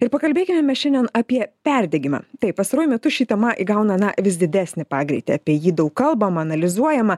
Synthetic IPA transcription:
ɪɾpɐkɐlʲbʲeːkʲɪmʲɛmʲɛsʃʲɛnd̪ʲɛnɐpʲiɛpʲɛɾʲd̪ʲɛɡʲɪmɐ̰t̪ɐɪppɐst̪ɐɾuɔjʊmʲɛt̪ʊʃʲiːt̪ʲɛmɐʔiɡɐʊnɐnɐʋʲɪsd̪ʲɪd̪ʲæːsʲnʲɪpɑːɡɾʲɛ̰ɪt̪ʲɪ̰ɐːpʲiɛjiːd̪ɐʊkkɐlˠbɐmɐɐnɐlʲɪzuɔjɛmɐ

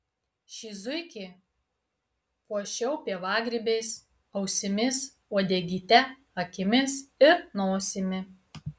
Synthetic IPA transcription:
ʃʲizʊɪkʲi | kuɔʃʲɛʊpʲiɛʋɑːɡɾʲɪbʲeɪs | ɐʊsʲɪmʲɪs | uɔd̪ʲɛɡʲiːt̪ʲɛ | ɐkʲɪmʲɪsɪɾnoːsʲɪmʲɪ

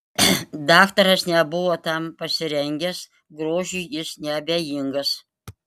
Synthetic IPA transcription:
d̪ɑːkt̪ɐɾɐsnʲɛbʊʋoːt̪ɑmpɐsʲɪɾʲɛŋʲɡʲɛs | ɡɾoːʒʲujjɪsnʲɛɐbʲeːjɪŋɡɐs

